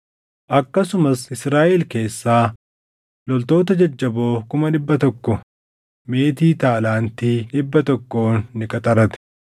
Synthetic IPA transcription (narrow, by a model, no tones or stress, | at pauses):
ʔɐkːɐsʊmɐsɪsɾaːʔɛlke̞ːsːaː | lɔlt̪o̞ːt̪ɐd͡ʒɐd͡ʒːɐbo̞ːkʊmɐᶑɪbːɐt̪ɔkːɔ | me̞ːt̪iːt̪aːlaːnt̪iːᶑɪbːɐt̪ɔkːo̞ːnːɪkʼɐt̪ʼɐɾɐt̪ɛ̥